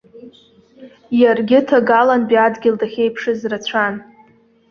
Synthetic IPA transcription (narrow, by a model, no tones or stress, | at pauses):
jarɡʲɪtʰaɡalanbiadɡʲɪldaχʲejpʰʂɨzrat͡sʷʰan